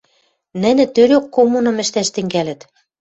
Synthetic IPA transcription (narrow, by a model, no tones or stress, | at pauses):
nɘ̆nĕt̪øɾokːomunɤ̆mɘ̆ʃt̪æʃt̪ɘ̆ŋɡælɘ̆t̪